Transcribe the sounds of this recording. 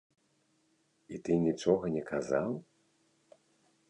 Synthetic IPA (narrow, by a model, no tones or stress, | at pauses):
it̪ɨnʲit͡ʂɔɣɐnʲɛkʰazaw